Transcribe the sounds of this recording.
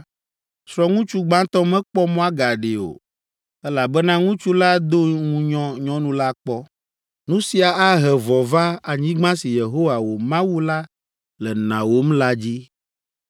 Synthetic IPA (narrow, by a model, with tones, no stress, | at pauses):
sɾɔ˦ŋũ˦t͡ʃu˦ɡ͡bã˦t̪ɔ˦mɛ̃˦k͡pɔ˦mɔ̃˦a˦ɡa˨ɖe˨o̰˨ | ɛ˦la˨bɛ˦nã˦ŋũ˦t͡ʃu˦la˦d̪o˦ŋũ˨ɲɔ̃˦ɲɔ̃˦nũ˦la˦k͡pɔ˦ | nũ˦si˦a˨a˦ɦɛ˨vɔ˨va˦a˨ɲĩ˦ɡ͡bã˦si˨je˨ɦo˦wa˨wo˨mã˦wu˦la˦ | lɛ˨nã̰˨wo˦m˦la˦d͡ʑi˦